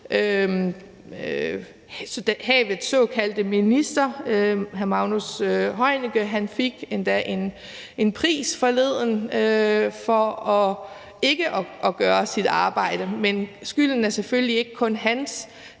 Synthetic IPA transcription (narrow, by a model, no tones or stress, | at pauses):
ʔø | sɒd̥æhɛ̰ʋeð̩ˠsɔːkʰæld̥əminisd̥ɐøɦæɐmɑ̈ʊnusøɦɒ̽ɪ̰niɡ̥əɦænfiɡ̥end̥æʔe̝n | e̝npʰʁḭːsfɒ̽le̝ð̞̰ˠnøfɒ̽ɒ̽ | e̝ɡ̥əʔɒ̽ʔɒ̽ɡ̥ɶːɐsid̥ɑ̈ːb̥ɑ̈ɪ̰d̥əmensɡ̥yln̩æɐseføllie̝ɡ̥əkʰɔ̽nɦæns